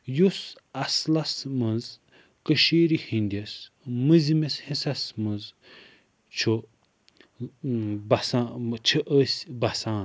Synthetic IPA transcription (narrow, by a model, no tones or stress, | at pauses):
jus | ɐslɐsmɐnz | kəʃiːɾihinʲd̪ʲɐs | mɨzimeshisɐsmɐnz | t͡ʃʰo | bɐsat͡ʃʰiʔəsʲbɐsãːn